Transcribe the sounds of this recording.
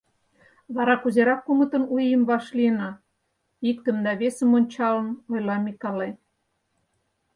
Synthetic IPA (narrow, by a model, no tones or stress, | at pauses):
βɑɾɑkuzeɾɑkːumə̆t̪ə̆nujəmβɑʃliənɑ | ik̚t̪ə̆md̪ɑβesə̆monʲt͡ɕɑlənojlɑmikɑle